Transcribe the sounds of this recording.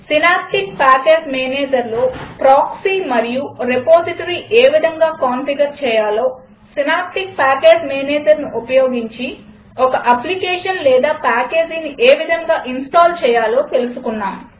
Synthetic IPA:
sinaːp̚ʈik̚paːkeːd͡ʒmeːneːd͡ʒɐɾloːpɾaːksimɐɾijuɾepoːziʈɐɾiʔeːʋid̪ʱɐŋɡaːkaːnfiɡɐɾt͡ʃɛːjaːlo̞ː | sinaːp̚ʈik̚paːkeːd͡ʒmeːneːd͡ʒɐɾnuʔupɐjo̞ːɡiɲt͡ʃi | ɔkɐʔɐplikeːʂɐnlɛːd̪aːpaːkeːd͡ʒiniʔeːʋid̪ʱɐŋɡaːʔinsʈaːlt͡ʃɛːjaːlo̞ːt̪e̞lusukunːaːm

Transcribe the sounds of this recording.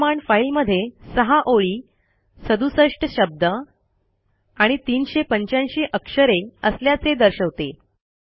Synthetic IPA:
maɳfailməd̪ʱːjesəɦaʔoɭiː | səd̪usəʂʈəɕəb̚d̪ə | aɽ̃it̪iːnɕepəɲt͡ɕanɕiːʔəkʂəɾeəsljat͡sed̪əɾɕəʋt̪e

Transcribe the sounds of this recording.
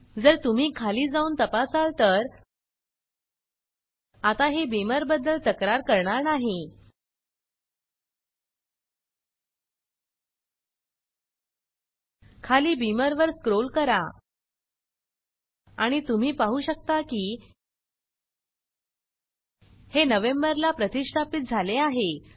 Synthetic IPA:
d͡zəɾt̪um̤iːkʰaliːd͡zauːnt̪əpasalt̪əɾ | at̪aɦebiməɾbəd̪ːəlt̪əkɾaɾkəɾɳaɾnaɦe | kʰaliːbiməɾʋəɾskɾolkəɾa | aɽ̃it̪um̤iːpaɦuːɕək̚t̪akiː | henəʋembəɾlapɾət̪iʂʈʰapit̪̚d͡zʱaleaɦe

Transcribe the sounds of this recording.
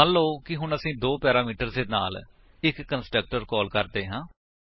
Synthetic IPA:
ənloːkɪɦʊɳəsĩːd̪oːpɛːɾaːmiːʈəɾd̪eːna̰ːl | ɪkːənsʈɾək̚ʈəɾkɔːlkəɾd̪eːɦãː

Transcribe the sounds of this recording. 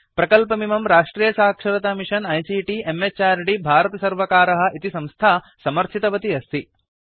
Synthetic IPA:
pɾɐkɐlpɐmimɐmɾaːʂʈɾiːjɐʃaːkʂɐɾɐt̪amiʂɐnɐjsiːʈiemet͡ʃaːɾɖibʱaːɾɐt̪ɐsɐɾʋɐkaːɾɐɦɐ̆ʔit̪isɐ̃mst̪ʰaː | sɐmɐɾt͡ʃʰit̪ɐʋɐt̪iɐst̪ʰi

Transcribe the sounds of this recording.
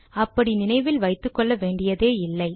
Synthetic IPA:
ɐpːɐɽinɪnɐɪʋɪlʋɐɪt̪ːɯkːɔɭːɐʋeːɳɖɪjɐðeːɪlːɐɪ

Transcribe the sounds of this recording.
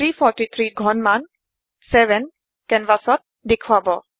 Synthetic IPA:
ɾifɔɾʈit̪ʰɾiɡʱɔnman | sɛʋɛn | kɛnʋasɔt̪̚d̪ekʰʋabɔ

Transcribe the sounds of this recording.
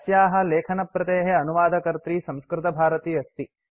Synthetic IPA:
sjaːɦɐ̆leːkʰɐnɐpɾɐt̪eːɦeɐnuʋaːd̪ʱɐkɐɾt̪ɾiːsɐ̃mskɾɪt̪ɐbʱaːɾɐt̪iːɐst̪i

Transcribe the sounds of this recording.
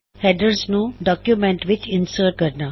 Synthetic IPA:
hɛɖəɾsnũɖɔːkjumẽɳʈʋɪt͡ʃɪ̃nsəːʈ̚ɡɐɾnaː

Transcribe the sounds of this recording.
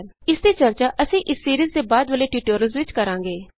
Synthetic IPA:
n | ɪsd̪iːt͡ʃəɾt͡ʃaːʔəsĩːʔɪsːiːɾiːzd̪eːbaːd̪ʋəleːʈiːʈoːɾəlzʋɪt͡ʃkəɾãːɡeː

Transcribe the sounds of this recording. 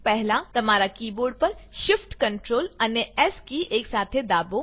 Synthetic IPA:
pɛɦlat̪ɐmaːɾakiːboːɾɖ̚pɐɾʃɪfʈkə̃ɳʈɾoːlɐnjəɛskiʔeːksaːt̪ʰed̪aːbo

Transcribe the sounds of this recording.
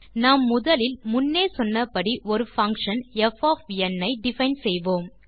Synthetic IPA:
naːmːʊðɐlɪlmʊnːeːsɔnːɐpːɐɽiʔɔɾɯfɐŋkʂɐnɛfaːfɛnːɐɪɖɪfɐɪnsɛjʋoːm

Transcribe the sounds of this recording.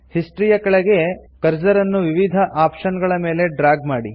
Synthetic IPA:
hisʈɾijɐkɐɭɛɡe̞kɐɾd͡ʒɐɾɐnːuʋiʋid̪ʱɐʔaːpʂɐnɡɐɭɐme̞ːle̞ɖɾaːɡ̚maːɽi

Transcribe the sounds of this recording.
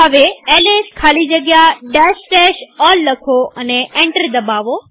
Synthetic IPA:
ɦəʋeeːleːskʰaːlid͡ʑɐɡjaɖɛːsʈɛːʃɔːlːɐkʰoɐneẽːɳʈəɾd̪ɐbaːʋo

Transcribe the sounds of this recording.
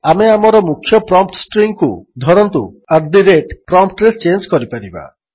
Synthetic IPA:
ameamɔɾɔmukʰːjɔpɾɔmp̚ʈsʈɾiŋkṵd̪ʱɔɾɔnt̪ṵ | aɾd̪iɾeʈpɾɔmpʈɾest͡ʃend͡ʒkɔɾipaɾiba̰

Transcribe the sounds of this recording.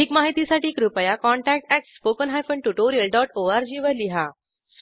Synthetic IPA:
ikmaɦit̪isaʈiːkɾupəjakɔɳʈæk̚ʈæʈspokənɦajfəɳʈuʈoɾijəlɖɔʈoaɾd͡ʑiːʋəɾliɦa | s

